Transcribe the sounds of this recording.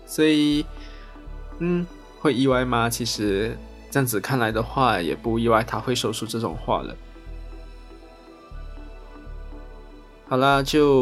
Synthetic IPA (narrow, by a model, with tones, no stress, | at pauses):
swɔ˧˥i˨˩ | n̩˥˩ | xwe˥˧ɪi˥wa˥˧ɪma˧t͡ɕʰi˧˥ʂɻ̩˧˥ | ʈ͡ʂɤ˥˧jɑ˥˩ŋd͡zɹ̩˨˩kʰa˥˩nla˧˦ɪd̪ə˨xwa˥˩jɛ̰˨˩pu˥˧i˥˧wa˥˩ɪt̪ʰa˥xwe˥˩ɪʂo˥˧ʊʂʰu˥˧ʈ͡ʂɤ˥˩ʈ͡ʂʊ̰˨˩ŋxwa̰˥˩lə̰˩ | xɑ˨˩ʊlə˦t͡ɕjo˥˧ʊ